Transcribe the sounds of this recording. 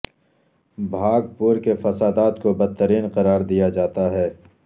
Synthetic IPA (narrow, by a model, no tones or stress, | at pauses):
bʱaːɡpʊɾkefɐsaːd̪aːt̪kobɐd̪̚t̪ːəɾiːnqɐɾaːɾd̪ijad͡ʒaːt̪aɦɛː